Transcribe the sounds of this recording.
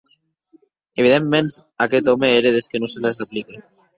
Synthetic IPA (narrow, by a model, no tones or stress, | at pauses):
eβ̞iðemːen | aket̪ɔmeeɾeðeskenoselasaplike